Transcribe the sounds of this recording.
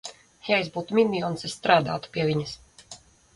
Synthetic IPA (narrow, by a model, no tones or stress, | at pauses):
jaizbuːt̪umʲinʲiɔːnsɛsst̪ɾaːd̪a̰ːt̪u̥piɛviɲɨs